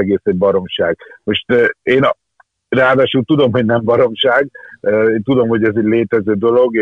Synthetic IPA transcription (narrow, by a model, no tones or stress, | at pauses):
ɛɡeːsɛɟ̚bɒɾo̞mʃaːɡ̚mo̞ʃt̪eːnɒ | raːd̪aːʃuːlt̪ud̪o̞mɦo̞ɟnɛmbɒɾo̞mʃaːɡː | nt̪ud̪o̞mhoɟɛzɛɟleːt̪ɛzøːd̪o̞loɡ